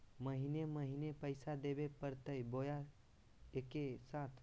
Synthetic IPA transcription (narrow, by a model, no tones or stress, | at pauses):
məɦineməɦinepəɪsad̪ebepəɾt̪əjboja | ekesaːt̪ʰ